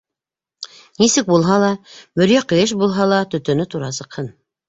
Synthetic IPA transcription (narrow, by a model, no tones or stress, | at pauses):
nisɘk̚bulˠɦɑlˠɑmɵ̆ɾjæqɤ̆jɤʃ̬bulˠɦɑlˠɑt̪ɵ̆t̪ɵ̆nɘt̪uɾɑsɤ̆qhɤn